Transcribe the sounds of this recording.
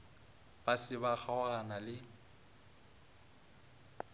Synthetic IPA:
b̥asɪbaχaʊɣanalɪ

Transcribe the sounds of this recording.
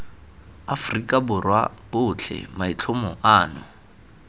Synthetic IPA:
afrikʼabʊrwa̰b̥ʊt͡ɬʰɛ̰mait͡ɬʰʊmɔʔaːnʊ

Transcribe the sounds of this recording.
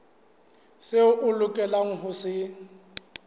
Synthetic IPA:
sɪʊʔʊlʊkʼɛlaŋ̩ɦʊsɪ

